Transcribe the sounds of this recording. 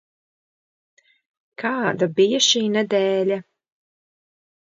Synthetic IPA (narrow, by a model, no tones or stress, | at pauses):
kʰaːd̪abijaʃiːnɛd̪ɛːlʲa